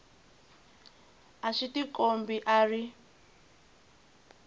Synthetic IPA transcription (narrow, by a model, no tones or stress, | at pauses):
aʃitikombiʔari